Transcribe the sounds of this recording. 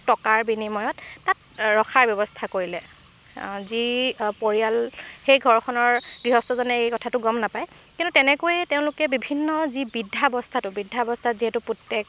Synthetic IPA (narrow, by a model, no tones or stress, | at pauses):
tɔkaɹbinimɔjɔtːat̚ | ɹɔxʰaɹbjɔbɔstʰakoɹilɛ | zipoɹialxejɡʱɔɹkʰɔnɔɹɡɹiɦɔstɔzɔnɛejkɔtʰatʊɡɔmnapajkĩntutɛnɛkojɛteʊ̃lʊkɛbibʱinːɔzibidʱːabɔstʰatʊbidʱːabɔstʰatziɦɛtʊputːɛk